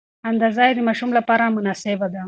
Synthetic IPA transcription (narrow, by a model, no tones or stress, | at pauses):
and̪azɑjd̪əmaʃumlapɑɾamʊnɑsɪbad̪a